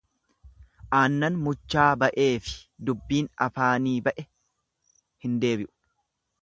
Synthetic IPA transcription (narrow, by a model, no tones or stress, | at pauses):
ʔaːnːɐnmʊt͡ʃːaːbɐʔe̞ːfɪ̥d̪ʊbːiːnɐfaːniːbɐʔɛ | hɪnd̪e̞ːbɪʔʊ̥